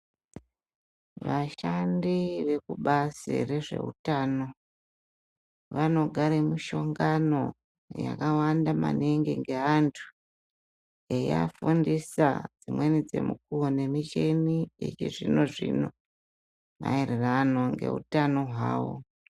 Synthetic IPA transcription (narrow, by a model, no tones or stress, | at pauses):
ʋaʃandiʋe̞kuɓasḛre̞ʐe̞̰ɦṵtaːno̞ | ʋano̞ɡʱaɾemiʃo̞ŋɡano̞ | ja̰kawandama̰neŋɡeŋɡe̞antʰu̥ | jeja̰fundisad͡zimwe̞nid͡ze̞̰muk̚uone̞mit͡ʃeniḭt͡ʃiʐino̞ʐḭno̞ | ma̰ererano̞ŋɡe̞̰ɦṵtano̞ɦwaːwo̞̰